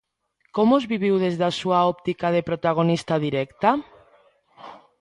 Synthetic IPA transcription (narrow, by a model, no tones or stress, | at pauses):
komozβiβ̞iwðezðasuaɔp̚t̪ikaðepɾot̪aɣ̞onist̪aðiɾɛkt̪a